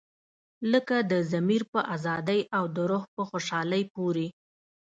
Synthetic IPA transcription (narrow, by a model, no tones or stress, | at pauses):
ləkad̪əzamiɾpəʔazɑd̪əjawd̪əɾoxpəxoʃɑləjpoɾe